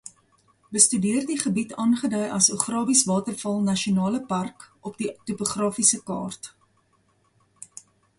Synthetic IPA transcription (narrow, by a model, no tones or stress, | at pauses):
bəstydiərdiχəbitɑːnχədœjʔɐsuχrɑːbisvɑːtərfɐlˠnɐʃionɑːləpɐrkɔpditopoχrɑːfisəkɑ̰ːrt